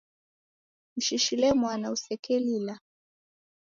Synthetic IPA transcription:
m̩ʃiʃilɛmwanausɛkɛlila

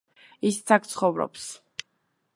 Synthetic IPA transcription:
ist̪sʰak̚t̪sʰχɔvɾɔ̰ps

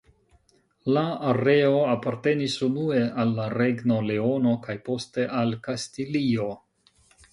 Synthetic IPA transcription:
laːɾe̞o̞apaɾte̞nisunue̞alːaɾe̞ɡno̞le̞o̞no̞kajpo̞ste̞ʔalkastilio̞

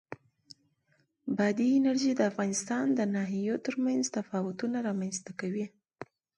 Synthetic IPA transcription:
bɑd̪iɪnaɾʒid̪əafɣɑnɪst̪ɑnd̪ənɑɦijot̪əɾmanzt̪afɑwʊt̪unaɾɑmanzt̪akawi

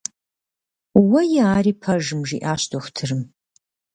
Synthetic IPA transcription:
wɐjɛaːriːpʰɐʒɨmʒḭːʔaːɕtʰʼoxʷtʰɨrɨm

